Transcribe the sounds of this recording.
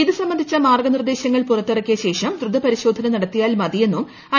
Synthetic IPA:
iðɨsɐmbɐnd̪ʱit͡ɕːɐmaːrɡɐnird̪e̞ːɕɐŋːɐɭpurɐt̪ːirɐkːijɐɕe̞ːʂɐmd̪rɨd̪ʱːɐpɐɾiɕo̞ːd̪ʱɐnɐnɐɽɐt̪ːijaːlmɐðije̞nːum | ɐ

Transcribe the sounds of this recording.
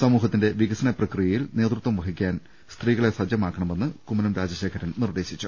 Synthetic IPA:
sɐmuːɦɐt̪ːinde̞ʋiɣɐsɐnɐprɐkrijɐjilne̞ːd̪rut̪ʋɐmʋɐɦikʲːaːn | st̪riːɣɐɭe̞sɐd͡ʑjɐmaːkːɐɳɐme̞nːɨkumːɐnɐmɾaːd͡ʑɐɕe̞ːkʰɐɾɐnnird̪e̞ːɕit͡ɕːu

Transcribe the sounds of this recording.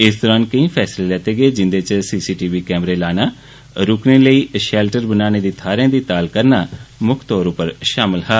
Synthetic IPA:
ɪsd̪ɔːɾaːnkəĩːpʰɛːsleːlɛːt̪eːɡeːd͡ʒɪnd̪eːt͡ʃəsiːsiːʈiːʋiːkɛːmɾeːlaːnaː | ɾʊkneːləiːʃɛːlʈəɾbənaːneːd̪iːt̪ʰaːɾjãːd̪iːt̪aːlkəɾnaːmʊkʰt̪ɔːɾõːpəɾʃaːmɪlɦɛː

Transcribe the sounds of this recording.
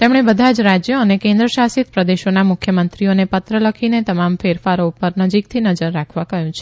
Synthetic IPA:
t̪emɽ̃ebəd̪ʱad͡ʒɾad͡ʒjəənekẽnd̪ɾəʃasit̪̚pɾəd̪eʃonamʊkʰjəmənt̪ɾionepət̪ɾələkʰinet̪əmamfeɾfaɾoupəɾnəd͡ʒik̚t̪ʰinəd͡ʒəɾːakʰʋãkəɦjũt͡ʃʰe̥

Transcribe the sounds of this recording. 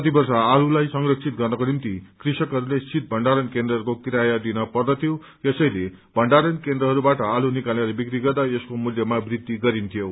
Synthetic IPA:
ʌt̪̬ibʌrsaːlulajsʌŋɡrʌksʰit̪̚ɡʌrnʌkonimt̪ikrisʌkɦʌɾulesit̪̚bʱʌɳɖaɾʌnkend̪rʌkokiɾajʌd̪inʌpʌrd̪ʌt̪ʰijo | esʌjle | bʱʌɳɖaɾʌnkend̪rʌɦʌɾubaʈʌalunikaleɾʌbikɾiɡʌrd̪aeskomuljʌmabrid̪ːiɡʌɾint̪ʰijo

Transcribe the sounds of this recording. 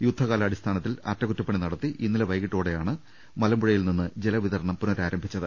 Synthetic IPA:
jud̪ʱːɐɣaːlɐːɽist̪ʰaːnɐt̪ːilɐ̰tːɐkutːɐpːɐɳinɐɽɐt̪ːiʔinːilɐʋɐjkiʈːoːɽe̞jaːɳɨ | mɐlɐmbuɻɐjilninːɨd͡ʑelɐʋiðɐɾɐɳɐmpunoɾaːɾɐmbʱit͡ɕːɐðɨ

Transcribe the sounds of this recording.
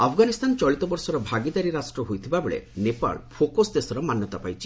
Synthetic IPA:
apʰɡanist̪ant͡ʃɔɭit̪ɔbɔɾsɔɾɔbʱaɡid̪aɾiɾasʈɾɔɦojt̪ʰibabeɭḛnepa̰ɭpʰokosd̪esɔɾɔmanjɔt̪apajt͡ʃʰi̥

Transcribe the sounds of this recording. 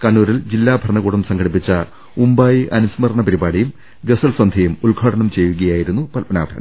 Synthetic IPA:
kɐɳːuːɾild͡ʑilːaːbʱɐɾɐɳɐɣuːɽɐmsɐŋɡʰɐɽip̬ːit͡ɕːɐ | umbaːjiʔɐnusmɐrɳɐpɐɾibaːɽijum | ɡesɐlswɐnd̪ʱɐjumuɭɡʱaːɽɐɳɐmt͡ɕe̞jːuɣɐjaːjiɾunːupɐlpɐna̰ːbʱɐɾɐɳɐ̰

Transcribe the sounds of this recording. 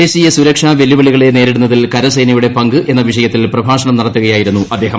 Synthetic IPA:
eːɕijɐsuɾɐkʂaːʋe̞liʋɐɭiɣɐɭe̞ne̞ːɾiɽunːɐðilkɐɾɐsɐjnɐjuɽe̞pɐŋɡɨʔʔe̞nːɐʋiʂɐjɐt̪ːilprɐbʱaːʂɐɳɐmnɐɽɐt̪ːuɣɐjaːjiɾunːuʔɐd̪ːe̞ːɦɐ

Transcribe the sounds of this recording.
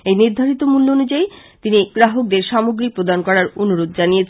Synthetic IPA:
ejniɾd̪ʱaɾit̪omulːoonud͡ʑajt̪iniɡɾaɦok̚d̪eɾʃamoɡɾipɾod̪ankɔɾaɾonuɾod̪̚d͡ʑanijet͡ɕʰ

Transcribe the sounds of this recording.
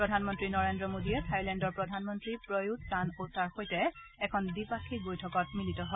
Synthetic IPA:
pɹɔdʱanmɔntɹinɔɹendɹɔmodiɛtʰajlɛndɔɹpɹɔdʱanmɔntɹipɹɔjuttanotaɹxojtɛɛkʰɔndipakʰibojtʰɔkɔt̚militɔɦɔ

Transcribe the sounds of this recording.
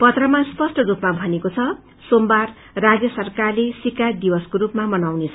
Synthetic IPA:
pʌt̪rʌmaspʌsʈʌɾupmabʱʌnekot͡sʰʌ | sombar | rad͡zjʌsʌrkarlesikad̪ibʌskoɾupmamʌnawnet͡sʰʌ

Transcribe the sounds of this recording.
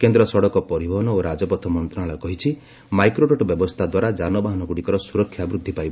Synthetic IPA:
kend̪ɾɔsɔɽɔkɔpɔɾibʱɔɦɔnɔoɾad͡ʒɔpɔt̪ʰɔmɔnt̪ɾɔnaɭɔkɔɦit͡ʃʰi | majkɾoʈoʈɔbjɔbɔst̪ʰad̪waɾad͡ʒanɔbaɦɔnɔɡuɽikɔɾɔsuɾɔkʰːjabɾud̪ʱːipajbɔ

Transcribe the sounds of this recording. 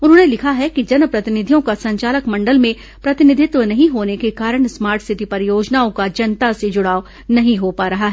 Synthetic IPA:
ʊnɦõːnelɪkʰaɦɛkid͡ʒɐnpɾɐt̪ɪnɪd̪ʱijõkasɐ̃ɲt͡ʃaːləkmɐ̃ɳɖəlmẽ | pɾɐt̪ɪnɪd̪ʱɪt̪wənɐɦĩɦoːnekekaːɾəɽ̃smaːɾʈsɪʈipɐɾjoːd͡ʒnaːõkad͡ʒɐnt̪ased͡ʒʊɽaːo | nɐɦĩɦopaːɾɐɦaɦɛː

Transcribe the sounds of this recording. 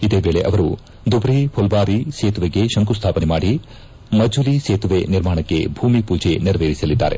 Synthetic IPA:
id̪e̞ːʋe̞ːɭeʔɐʋɐɾu | d̪ubɾipʰɔlbaːɾiseːt̪uʋeɡe̞ʃɐŋkust̪ʰaːpɐnemaːɽi | mɐd͡ʒuliseːt̪uʋeniɾmaːɳɐkːe̞̰bʱuːmipuːd͡ʒe̞niɾɐʋeːɾisɐlid̪ːa̰ːɾe̞̰

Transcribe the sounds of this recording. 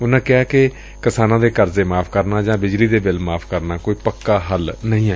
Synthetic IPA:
ʊnãːkɪaːkɪ | kɪsaːnãːd̪eːkəɾzeːmaːpʰkəɾnãːd͡ʒãːbɪd͡ʒliːd̪eːbɪlmaːpʰkəɾnaːkoːiːpəkːaːɦəlnəĩːaː

